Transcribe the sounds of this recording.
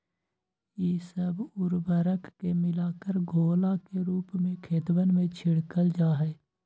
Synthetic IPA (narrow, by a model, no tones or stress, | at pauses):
jiːsəbʊɾbəɾəkːemɪlaːkəɾɡʱoːlakeɾuːpmẽkʰeːt̪wənmẽt͡ʃʰɪɽkəld͡ʒaːɦɛː